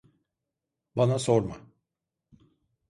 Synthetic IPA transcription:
banasoɾma

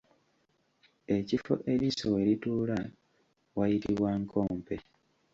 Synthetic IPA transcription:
e̞cifo̰ʔe̞ɾisoweɾituːla | wajitiβwaŋkʰoːmpe̞

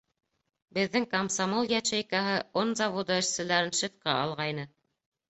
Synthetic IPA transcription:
bɘ̆ðːɘŋkɐmsamolˠjæʃæjkɑɦɤonzɑvod̪ɤɘ̆ʃsɘ̆læɾɘnʃɘ̆fqɑɑlˠʁɑjnɤ

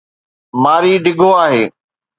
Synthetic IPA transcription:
maːɾiːɖʱɪɡʱoaːɦeː

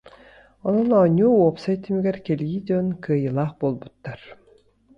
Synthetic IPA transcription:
ɔnɔnɔnʲuːuɔpsajt̪ːimiɡɛɾkɛlʲjid̪ʲɔnkɯɐjɯlˠaːχboːlˠbut̪ːaɾ

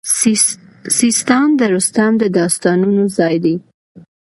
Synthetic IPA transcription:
sist̪ɑmd̪əɾust̪ɑmd̪əd̪ɑst̪ɑnunozɑjd̪i

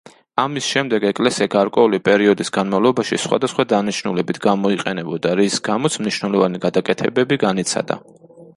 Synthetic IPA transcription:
amisʃɛmd̪ɛɡɛkʼlɛsiaɡaɾkʼwɛulipʼɛɾiɔd̪isɡanmavlˠɔbaʃḭsχwa̰d̪asχwad̪aniʃnulɛbit̪ʰɡamɔiqʼɛnɛbɔd̪aɾisɡamɔt̪sʰmniʃwnɛlˠɔvaniɡad̪akʼɛt̪ʰɛbɛbiɡanit̪sʰa̰d̪a̰

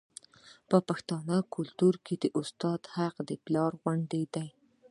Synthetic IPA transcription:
pəpaxt̪ɑnəkʰʊlt̪uɾked̪əʔʊst̪ɑd̪haqd̪əplɑɾɣwaɳɖ̪ed̪aj

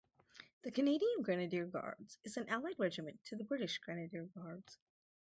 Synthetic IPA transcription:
ðɨkʰɨneɪɾiɨ̃nɡɹænɨdɪɹɡɑ̰ɹdz̥ɨzɨ̃n̩ʔælˠaɪd̚ɹɛd͡ʒɨmɨ̃ntʰɨðɨbɹɪɾɨʃɡ̥ɹænɨdɪɹɡɑɹdz̥

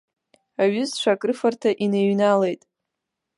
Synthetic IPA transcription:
aɥʏzt͡ʃʷakʼrɨfartʰaʔineɥnale̞jtʼ

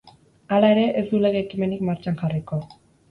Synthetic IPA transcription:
alae̞ɾe̞ʔezd̪ule̞ɣeːkime̞nikmaɾt͡ʃanxariko̞

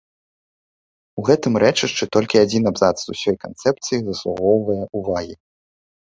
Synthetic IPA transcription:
uɣɛt̪ɨmɾɛt͡ʂɨʂt͡ʂɨt̪ɔlʲkʲiad͡zʲinabzat̪szusʲɔjkant̪sɛp̚t̪sɨjizɐslˠuɣɔwvɐjɐʔuvaɣʲi

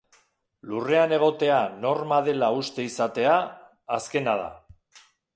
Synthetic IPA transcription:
lure̞ane̞ɣ̞o̞t̪e̞ano̞ɾmað̞e̞laust̪e̞isat̪e̞aː | ske̞nað̞a̰

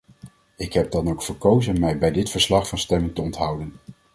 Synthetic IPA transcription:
ɪkɦɛb̚dɑnowkfəɹkowzənmɛjbɛjdɪtfəɹslɑχfɑnstɛmɪŋtəɔntɦʌwdən

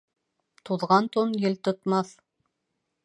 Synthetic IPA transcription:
t̪uðʁɑnt̪onjɘlt̪ŏt̪mɑθ

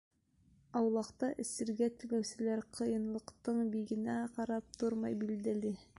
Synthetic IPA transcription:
ɑwlˠɑqt̪ɑʔɘ̆sɘ̆ɾɡæt̪ɘ̆læwsɘ̆læɾqʰɤ̆jɤ̆nlˠɤ̆qt̪ɤɴbiɡɘ̆næqɑɾɑp̚t̪ʰoɾmɑjbild̪ælɘ

